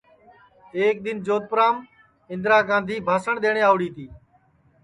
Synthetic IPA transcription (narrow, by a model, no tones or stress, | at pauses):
eːk̚d̪ɪnd͡ʒoːt̪̚pəɾaːm | ɪ̃nd̪ɾaːɡãːnd̪ʱiːbʱaːsəɳɗ̪eːɳ̃eːaːʋɽiːt̪iː